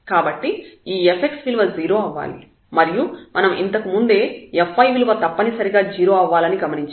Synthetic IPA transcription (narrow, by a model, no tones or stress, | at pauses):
kaːbɐʈːiiːepʰe̞ksʋilʋɐd͡ʒiːɾo̞ːɐʋːa̰ːli | mɐɾijumʔɐnɐmḭnt̪ɐkimund̪e̞ːefːɐjʋilʋɐt̪ɐpːɐnisɐɾiɡaːd͡ʒiːɾo̞ːɐʋːaːlɐniɡɐmɐniɲt͡ʃ